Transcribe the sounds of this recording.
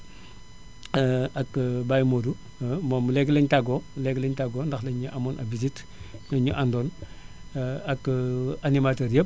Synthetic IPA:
ɐkbaːjmoːdu | momulɛɡlɛɲtaɡomlɛɡlɛɲtaɡoːndɐxlɛɲuʔamɔːnʔɐ̰bizit | lɛɲuʔandɔːn | ɐkanimatəːɾjəp̚

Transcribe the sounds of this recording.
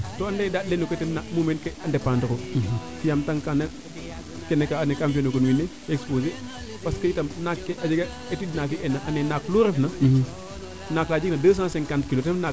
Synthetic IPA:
toandedadlenuketennːamumenkeandepandəkofijamtaŋkanɐ | kenekaːnekamfenokənwinːe | ekspoze | paskəjitɐmnakːeʔad͡ʒeɡa | etidnafiʔɛnaʔanenakloɾefna | naklaːd͡ʒiknɐdəːs̬ãːseŋkantkilotɛna

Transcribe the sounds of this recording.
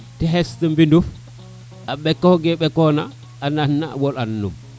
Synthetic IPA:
tɛɦɛstumbinduf | aɓɛkɔɡɛɓɛkɔnaː | nanːawɔlanːṵm

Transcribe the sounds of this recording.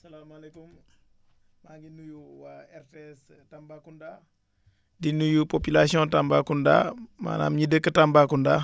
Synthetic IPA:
salamalekum | maɡinːujuwaeɾteɛs | tambakunda | dinːujupopilasiɔ̃tambakunda̰ma̰na̰ːmɲidəkːətambakunda

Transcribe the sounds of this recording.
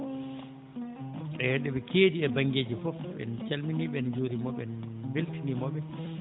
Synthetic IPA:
ɗɛjɛɗɛɓɛkʰeːdiɛbaŋɡeːd͡ʒifɔfɓɛ̰nt͡ʃalminiɓɛnd͡ʒoɾimɔɓɛ̰nbeltinimɔɓɛ

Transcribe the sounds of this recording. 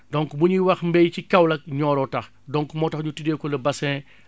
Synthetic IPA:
dɔŋkbuɲuwɐxmbɛjcikɐwlɐk̚ɲɔːɾɔtɐx | dɔŋkmɔːtɐxɲutidɛːkɔlɐbɐsɛ̃

